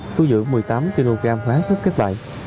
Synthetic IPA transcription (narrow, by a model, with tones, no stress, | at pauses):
t̪u˧zɨ̰˧˥əŋmɨ˨˩jt̪aː˨˦mki˧lo˧ɣaː˧mhwaː˨˦sʰʊ˦˥p̚ke˦˥t̚ɓa̰ː˧˨j